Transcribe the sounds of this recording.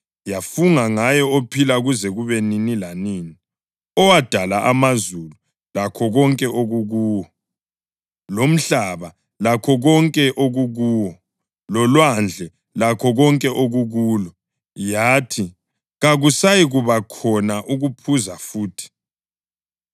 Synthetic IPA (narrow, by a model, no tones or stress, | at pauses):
jafuŋaŋajɔopʰilaɣuzɛɣuβɛninilaniːni | ɔwad̥ʱalaʔamazulu | lakʰɔɣɔŋkʼɛʔoɣuɣuːwɔ | lom̩ɬaβa | lakʰɔɣɔŋkʼɛʔoɣuɣuːwɔ | lɔlwand͡ɮʱɛ | lakʰɔɣɔŋkʼɛʔoɣuɣuːlɔ | jaːtʰi | ɣaɣusajiɣuβakʰɔnaʔuɣupʰuzafuːtʰi̥